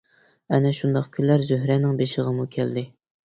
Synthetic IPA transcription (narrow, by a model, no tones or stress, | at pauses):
ɛnɛʃund̪ɑqkʲʰylːæɾzøɦɾɛnɪŋbeʃɪʁəmukʲʰæld̪ɪ